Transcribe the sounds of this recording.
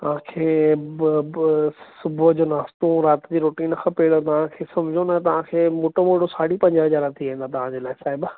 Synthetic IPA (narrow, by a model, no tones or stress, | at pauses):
tt̪ɐʋ̤ãkʰeː | sʊbʱʊd͡ʑoːnaːst̪oɾaːt̪d͡ʑiɾoːʈiːnkʰãpeːɽot̪̬ɐʋ̤ãkʰeːsɐ̃md͡ʑʱonɐt̪ɐʋ̤ãkʰeːmoːʈomoːɽosaːɽipɐ̃ɲd͡ʑɦɐzaːɾãt̪ʰiaɦĩn̆d̪at̪ɐʋ̤ãd͡ʑeːlaːɪsaːɪb